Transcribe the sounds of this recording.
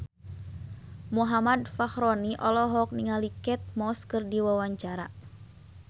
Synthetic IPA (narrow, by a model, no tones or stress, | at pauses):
muɦamadfaxɾɔniʔɔlɔɦɔk̚niŋalikɛt̪̚mɔskɨrdiwawaɲt͡ʃaɾa̰